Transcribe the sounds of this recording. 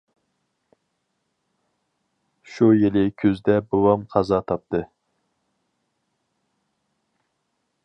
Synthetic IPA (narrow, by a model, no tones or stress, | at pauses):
ʃujelɪkʲʰøzd̪ɛbowɑmqʰɑzɑt̪ʰɑp̚t̪ɨ